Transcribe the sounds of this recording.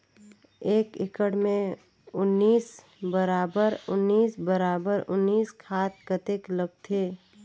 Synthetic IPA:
eːkɪkəɽmẽ | ʊnːiːs | bəɾaːbəɾʊnːiːsbəɾaːbəɾʊnːiːskʰaːt̪̚kət̪ekləɡ̚t̪ʰeː

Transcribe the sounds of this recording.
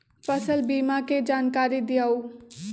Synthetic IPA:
pəsəlbiːmaked͡ʒaːnkaːɾid̪ɪjaːuː

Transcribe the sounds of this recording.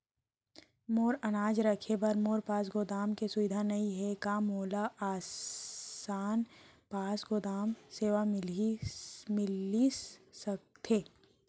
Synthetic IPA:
moːɾɐnaːd͡ʒɾɐkʰebɐɾmoːɾpaːs̬ɡoːd̪aːmkesʊʋɪd̪ʱanɐɦĩɦɛkaːmoːlaʔaːs | aːnpaːsɡoːd̪aːmseːʋamɪlimɪlisɐk̚t̪ʰeː

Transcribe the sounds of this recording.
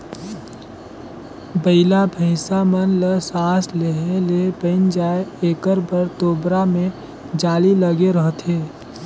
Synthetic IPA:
bəɪlabʱəɪsamənləsaːsleɦelebəɪnd͡ʒaːeeːkəɾbəɾt̪oːbɾamẽ | d͡ʒaːliləɡeɾəɦt̪ɦeː

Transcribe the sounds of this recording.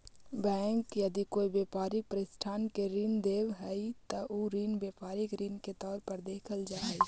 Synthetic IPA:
bɛ̃ːŋkjəd̪ikoːibjeːpaːɾɪk̚pəɾɪsʈʰaːnkeɾind̪eːwɦɛit̪əʔuɾiːnbeːpaːɾɪkɾinket̪ɔːɾpəɾd̪eːkʰəld͡ʒaːi

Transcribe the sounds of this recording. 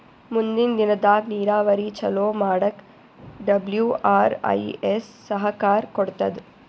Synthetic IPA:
mund̪ind̪inɐd̪aːɡniːɾaːʋɐɾit͡ʃɐloːmaːɽɐk | ɖɐbljuːʔaːɾɐ̰jesːɐɦɐkaːɾkɔɽt̪ɐd̪

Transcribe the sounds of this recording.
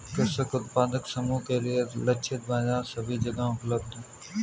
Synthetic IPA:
kəsəkʊt̪paːd̪əksɐmuːkɐɾijəɾlɐt͡ʃʰet̪̚baːzaːɾsɐbʱiːd͡ʒɐɡãːkləb̚d̪

